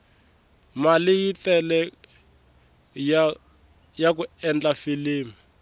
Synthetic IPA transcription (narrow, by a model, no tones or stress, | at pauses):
malɪjitɛlɛ | jak̬uɛnd͡ɮafiliːmi